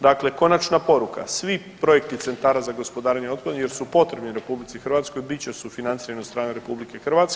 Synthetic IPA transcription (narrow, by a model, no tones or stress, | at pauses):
d̪akle̞ko̞nat͡ʃnapo̞ɾuka̰sʋipɾo̞je̞kt̪it̪se̞nt̪aːɾazaɡo̞spo̞d̪aːɾeɲeo̞t̪̚pad̪nje̞ɾsupo̞t̪ɾe̞bniɾe̞publit̪sixɾrʋat̪sko̞jbit͡ɕesufinant̪iɾanost̪ɾaːneɾe̞publike̞xr̩ʋat̪s